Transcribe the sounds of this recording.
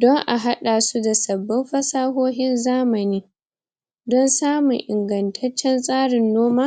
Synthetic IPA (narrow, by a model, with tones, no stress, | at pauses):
dɔ˦ŋʔa̰˨ɦa˦ɗaː˨su˦da˨sɐ˨bːɪ˦mɸɐ˦saː˦ɦoː˦ɦɪ˦nzaː˦mɐ˨niː˦ | dɔ˦nsaː˦mʊ˨ʔɪ̰˨ŋɡɐ˨ntʰɐ˦t͡ʃːɛ˦nsʼaː˦ɽɪ˨nːoː˦maː˦